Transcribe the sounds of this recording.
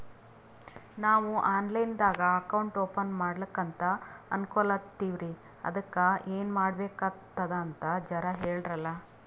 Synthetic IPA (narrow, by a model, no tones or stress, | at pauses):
naːʋuʔaːnlɐjnd̪aːɡɐɐkɐwuɳʈoːpɐnmaːɽlɐkːɐnt̪ɐɐ̰nkolɐt̪iːʋɾi | ɐ̰d̪ɐkːɐeːnmaːɽbeːkɐt̪ːɐd̪ɐːnt̪ɐd͡ʒɐɾɐɦeːɭɖɾɐlːɐ